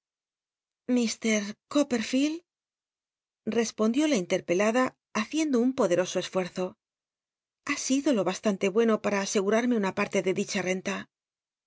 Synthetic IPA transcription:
mist̪e̞ɾkope̞ɾfil | re̞spo̞nd̪jo̞laint̪e̞ɾpe̞laðaː | θje̞nd̪o̞umpo̞ðe̞ɾo̞so̞e̞sfwe̞ɾθo̞ | asiðo̞lo̞βast̪ant̪e̞βwe̞no̞paɾaːse̞ɣuɾaɾme̞unapaɾt̪e̞ðe̞ðit͡ʃare̞nt̪a

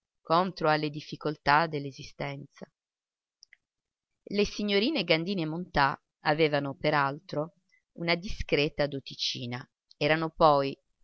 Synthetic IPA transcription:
kont̪ɾoalːed̪ifːikolt̪ad̪elːezist̪ɛnt̪sa | lesiɲːoɾiːneɡand̪iːneːmːont̪a | aveːvanopeɾalt̪ɾo | unad̪iskɾeːt̪ad̪ot̪it͡ʃiːna | ɛːɾanopɔj

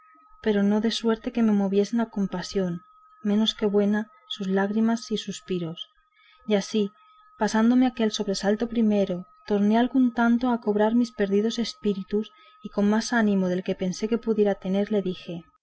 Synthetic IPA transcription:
pe̞ɾo̞no̞ðe̞swe̞ɾt̪eke̞me̞mo̞βje̞senako̞mpasjo̞n | mẽ̞no̞ske̞βwe̞na | suzlaɣɾimasisuspiɾo̞s | jasi | pasand̪o̞meakelso̞βɾe̞salt̪o̞pɾime̞ɾot̪o̞ɾne̞alɣunt̪ant̪oako̞βɾaɾmispe̞ɾðið̞o̞se̞spiɾit̪us | iko̞nmasanĩmo̞ðe̞lke̞pe̞nse̞ke̞puðje̞ɾat̪e̞ne̞ɾle̞ðixe̞

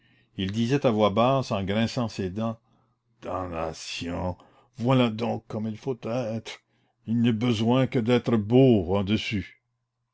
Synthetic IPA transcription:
ild̪izɛt̪avwabaːsɑ̃ɡɾɛ̃sɑ̃sed̪ɑ̃ | d̪̥ãla̰sjɔ̃ | vwalad̪ɔ̃ːkʰːɔmilfot̪ɛːt̪ɾ | ilnɛbəzwɛ̃kəd̪ɛːt̪ɾəboɑ̃d̪əsy

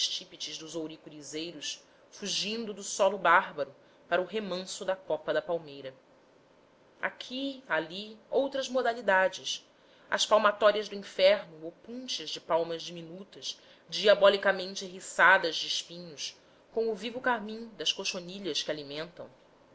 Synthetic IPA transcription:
ʃt͡ʃipit͡ʃɪʒd̪ʊzowɾikuɾizejɾʊs | fuʒĩnd̪ʊd̪ʊsɔlʊbaɦbɐɾʊ | paɾɐʊɦemɐ̃sʊd̪ɐkɔpɐd̪ɐpawmejɾɐ | a̰kʲʰialiowt̪ɾɐzmod̪alid̪ad͡ʒɪs | ɐ̰spawmat̪ɔɾiɐʒd̪ʊĩfɛɾnʊopũnt͡ʃɐʒd͡ʒɪpawmɐʒd͡ʒiminut̪ɐʃ | d͡ʒiabɔlikamẽnt͡ʃɪɦisad̪ɐzd͡ʒɪɪʃpĩɲʊʃ | kõw̃ʊvivʊkaɾmĩd̪ɐskoʃoniʎɐskɪalimẽnt̪ɐ̰̃w̃

